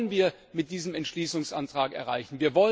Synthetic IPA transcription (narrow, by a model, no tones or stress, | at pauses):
ənviːɐ | mɪt̚d̥iːzəmɛntʃliːsʊŋsʔantʁ̥aːkɛ̰ɐʁa̰ɪçn̩viːɐvɔl